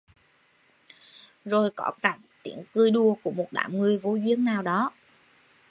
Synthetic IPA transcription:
zo˨˩jkɔ˧˦kaː˧˩k̚t̪ḭ˧˩əŋkɨ˧jɗu˧əku˧˩əmo˨˩t̚ɗa̰ː˧˩mŋɨ˨˧˩əjvo˨˦zwi˧˥ənnaː˨˩wɗɔ˨˦

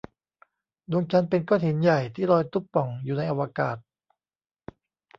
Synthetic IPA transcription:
du˧əŋt͡ɕa˦˧˥npe˧nkɔː˧˥˩t̪hi˩˦nja˨˩jt̪ʰiː˥˩ɾɔː˧jt̪u˦˥˩ppɔ˨˩ŋjuː˨˩na˧jʔa˧wa˧ka̰ː˨˩t̪̚

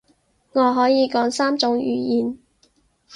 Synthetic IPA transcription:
ŋɔː˨˧ɦɔː˨˥jiː˨˧kɔː˨˥ŋsaː˥mt͡sʊ˨˥ŋjyː˨˧jiː˨n

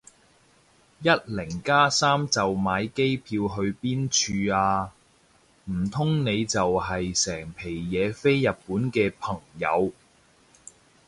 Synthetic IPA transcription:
jɐ˥t̚lɪ˨˩ŋkaː˥saː˥mt͡sɐ˨wmaː˨˧jke˥jpʰiː˧wɦɵ˧ɥpiː˥nt͡ʃʰyː˧aː˧ | m̩˨˩t̪ʰʊ˥ŋne˨˧jt͡sɐ˨wɦɐ˨jsɛː˨˩ŋpʰe˨˩jːɛː˨˧fe˥jːɐ˨t̚puː˨˥nkɛː˧pʰɐ˨˩ŋjɐ̰˨˧w

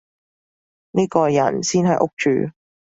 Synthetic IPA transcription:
niː˥kɔː˧jɐ̰˨˩nsiː˥nɦɐ˨jʔʊ˥k̚t͡ʃy̰ː˨

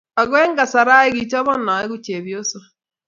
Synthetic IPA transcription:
a˨ɣwɛ˦ŋɡa˨sa˨ɾa˦e˦ɣi˨t͡ʃɔ˦βɔ˦na˨e˦ɣu˦t͡ʃe˨βjo˦sa˨

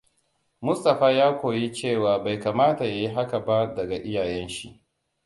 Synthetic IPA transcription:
mʊ˦sta˨ɸaː˦jaː˦kʷoː˨ji˦t͡ʃeː˦˨waː˨ba˨jkaː˨maː˦ta˨ja˦ji˦ɦa˦ka˨ba˦dɐ˨ɡa˨ʔɪ˦jaː˨jɛ˦nʃḭ˦ʔ

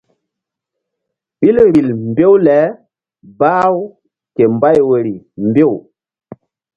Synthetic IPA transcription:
ɓi˦lɾi˨lmbe˦wlɛ˨˦ | baː˦w | ke˨mba˦jwe˨ɾi˨mbe˦˨w

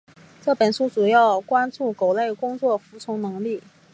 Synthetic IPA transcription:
ʈ͡ʂɤ˥˩pə˨˩nʂu˥t͡su˨˩jɑ˥˩ʊkwa˥nt͡su˥˩ko˨˩ʊle˥˩ɪkʊ˥ŋt͡swɔ˥˩fu˧˥t͡sʰʊ˧˥ŋnɤ˧˥ŋli˥˩

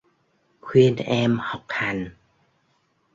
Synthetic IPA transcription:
kʰwi˧nʔɛː˧mhɔ˨˩k̚ha˨˧˩n

